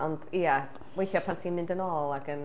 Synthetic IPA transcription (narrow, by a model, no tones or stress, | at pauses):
ɔndia | wejθjapʰantʰiːmɪ̃ndənɔːlˠaɡən